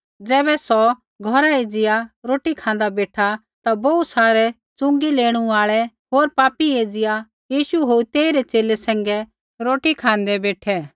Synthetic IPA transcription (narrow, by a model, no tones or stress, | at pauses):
d͡zɛːβɛsɔ | ɡʱɔɾaeːd͡zɪjaɾoːʈikʰãːnd̪abeːʈʰa | t̪abɔusaːɾɛ | t͡sʊ̃ŋɡileːɽ̃ũaːɭɛ | ɦoːɾpaːpieːd͡zɪja | jiːʃuɦot̪eːiɾɛt͡ʃeːlɛsɛ̃ːŋɡɛ | ɾoːʈikʰãːn̆d̪ɛbeːʈʰɛ